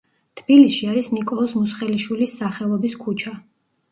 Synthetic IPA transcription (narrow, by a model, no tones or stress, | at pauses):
t̪ʰb̥ilisʃiaɾisnikʼɔlˠɔsmusχɛliʃwilisːaχɛlˠɔbiskʰut͡ʃʰa